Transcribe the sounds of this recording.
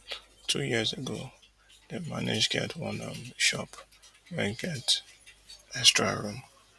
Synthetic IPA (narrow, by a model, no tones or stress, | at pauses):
tʰujiəzeɡo | demanɪd͡ʒɡɛ̰tʰwɔ̃nɔmʃɔpwɛ̃nɡɛt | ɛstɹaɹũm